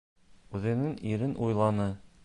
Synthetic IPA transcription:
ʉðɘ̆nɘŋiɾɘnʔujlˠɑnɤ

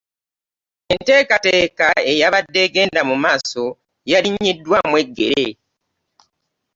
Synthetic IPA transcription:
ente̞ːkateːkae̞jaβadːe̞ɡe̞ːndamumaːso̞ | jaliɲːidːwamwe̞ɡːe̞̰ɾḛ

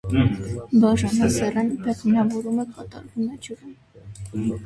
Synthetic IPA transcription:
bɑʒɑnəsɛrɛnpʰɛχmnɑvɔɾuməkɑt̪ɑ̰ɾvumɛd͡ʒuɾin

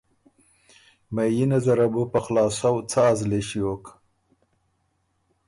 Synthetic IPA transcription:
majinazaɾabupaxlɑːsawt͡saːzleʃijok

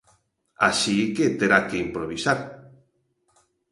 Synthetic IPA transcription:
a̰ʃiket̪eɾakeimpɾoβisaɾ

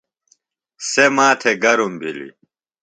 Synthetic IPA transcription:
semaːt̪ʰeɡɐɾumbʱilḭ

